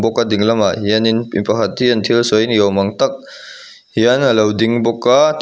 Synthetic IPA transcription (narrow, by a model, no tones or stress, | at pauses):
bɔkːadiŋlɐmahijaninpipɐɦɐt̚ːiɐntʰilsɔjnijawmɐŋtɐk̚ | hijanɐlɐwdiŋbɔkːat